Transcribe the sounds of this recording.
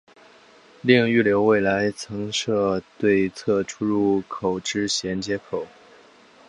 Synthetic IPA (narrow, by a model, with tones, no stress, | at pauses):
li˥˧ŋy˥˩ljo˧˥ʊwe˥˩ɪla˧˥ɪt͡sʰɤ˧˥ŋʂɤ˥˧t̪we˥˧ɪt͡sʰɤ˥˧ʈ͡ʂʰu˥ɻu˥˩kʰo˨˩ʊʈ͡ʂɻ̩˥ɕjɛ˧˥nt͡ɕjɛ˧˥kʰo˨˩˦ʊ